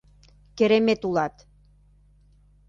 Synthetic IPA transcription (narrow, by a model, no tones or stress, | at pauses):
kĕɾemet̪ulɑt̪